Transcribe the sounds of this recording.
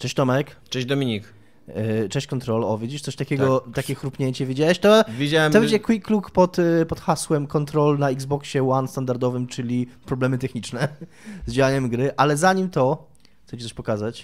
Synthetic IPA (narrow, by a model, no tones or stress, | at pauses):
t͡ʂɛɕt͡ɕt̪ɔmɛkt͡ʂɛd͡ʑd̪ɔmʲiɲik | t͡ʂɛ̃t͡ɕkɔnt̪ɾɔlɔvʲed͡ʑiʂt̪sɔɕt̪akʲɛɡɔt̪akʲɛxɾupɲeɲt͡ɕɛvʲid͡ʑawɛɕt̪ɔvʲed͡ʑawɛɔvɛɲd͡ʑɛkwikːlukpɔt̪pɔt̪xaswɛmkɔnt̪ɾɔlnaiɡzbɔkɕɛwanst̪and̪aɾd̪ɔvɘmt͡ʂɘlʲipɾɔblɛmɘt̪ɛxɲit͡ʂnɛ | zd͡ʑawaɲɛmɡɾɘʔalɛzaɲimt̪ɔ | xt̪ɛt͡ɕit̪ɔʃpɔkazat͡ɕ